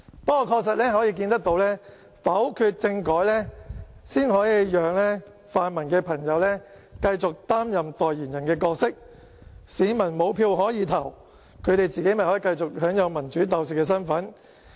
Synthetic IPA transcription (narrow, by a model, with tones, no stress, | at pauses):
pɐ˥kɔː˧kʰɔː˧k̚sɐ˨t̚lɛː˥ɦɔː˨˥jiː˧kiː˧nt̪ɐ˥k̚t̪o˧wlɛː˥ | fɐ˨˥wkʰyː˧t̚t͡sɪ˧ŋkɔː˨˥jlɛ˥siː˥nhɔː˨˥jiː˨˧jœː˨ŋlɛː˥ | faː˨˧nmɐ˨˩nkɛː˧pʰɐ˨˩ŋjɐ˨˧wlɛː˥ | kɐ˧jt͡sʊ˨k̚t̪aː˥mjɐ˨mt̪ɔː˨jjiː˨˩njɐ˨˩nkɛː˧kɔː˧k̚sɪ˥k̚ | siː˨˧˥mɐ˨˩nmo˨˧wpʰiː˧wɦɔː˨˥jiː˨˧t̪ʰɐ˨˩w | kʰɵ˨˧ɥɾe˨jt͡siː˨ke˨˥jmɐ˨jhɔː˨˥i˨˧kɐ˧jt͡sʊ˨k̚hœː˨˥ŋjɐ˨˧wmɐ˨˩nt͡ʃyː˨˥t̪ɐ˨˧wsi˨t̚kɛː˧sɐ˥nfɐ˨˥n